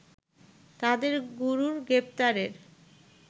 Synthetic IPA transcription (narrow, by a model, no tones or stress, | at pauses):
t̪ad̪eɾɡuɾuɾɡɾep̚t̪aɾeɾ